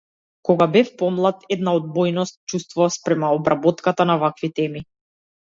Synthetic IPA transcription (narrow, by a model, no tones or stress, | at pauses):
kɔɡabɛfpɔmlˠat̪ɛd̪naɔd̪̚bɔjnɔst̪̚t͡ʃust̪vɔaspɾɛmaɔbɾabɔt̪kat̪anavakvit̪ɛmi